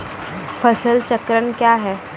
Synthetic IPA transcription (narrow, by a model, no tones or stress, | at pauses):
fʰəsəlt͡ɕəkɾəɳkjaɦɛ